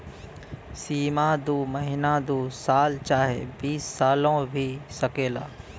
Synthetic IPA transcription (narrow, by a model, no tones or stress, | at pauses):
siːmãd̪uːməɦɪnad̪uːsaːlt͡ʃaːɦḛbiːsːaːlõbʱisɐkeːla̰ː